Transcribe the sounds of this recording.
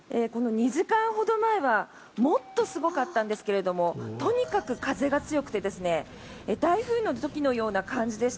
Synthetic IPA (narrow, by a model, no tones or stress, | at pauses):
eːko̞no̞ɲ̟iʑikãɰ̃ho̞d̪o̞maeβa | mo̞t̪ːo̞sɨɡo̞kat̪ːãnd̪e̞sɨ̥ke̞ɾe̞d̪o̞mo̞t̪o̞ɲ̟ikakɯ̟kaze̞ɡat͡sɨjo̞kɯ̟̥t̪e̞d̪esɨne̞ | ed̪aiɸɯ̟ːnːo̞t̪o̞kʲino̞jo̞ːnakãɲ̟d͡ʑid̪eɕi̥t̪a